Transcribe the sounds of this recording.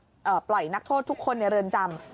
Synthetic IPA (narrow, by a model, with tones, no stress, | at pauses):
ʔɤː˨˩plɔ˨˩jna˦˥k̚t̪ʰoː˥˩t̪ʰːu˦˥kʰːo˧nːi˧˩ɾɤː˧nt͡ɕa˧m